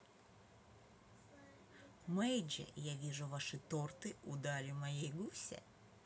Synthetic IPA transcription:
mɛjd͡ʒɛ̰javʲiʐʊvaʂɨt̪ort̪ɨʊd̪alʲɪmɐjejɡusʲɛ̰

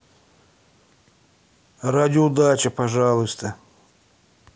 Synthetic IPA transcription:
rad̪ʲɪʊd̪at͡ʃɐpɐʐalˠʊst̪ə

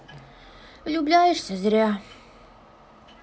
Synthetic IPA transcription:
lʲublʲajeʂsʲazɾʲa

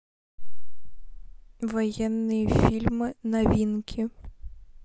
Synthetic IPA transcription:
ʋɔjɛnːɨjifʲilʲmɨnɐvʲinkʲʰi

